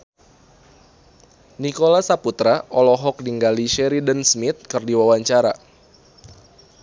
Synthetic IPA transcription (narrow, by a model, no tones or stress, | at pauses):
nikolasaput̪ɾaʔɔlɔɦɔk̚diŋɡaliʃɛɾidənsmɪt̪̚kɨrdiwawaɲt͡ʃaɾa